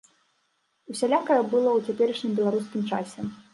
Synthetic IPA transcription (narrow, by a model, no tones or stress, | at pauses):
usʲalʲakɐjɐbɨlˠɔwt͡sʲapʲɛɾɨʂnʲɨmbʲɛlˠaɾuskʲimt͡ʂa̰sʲɛ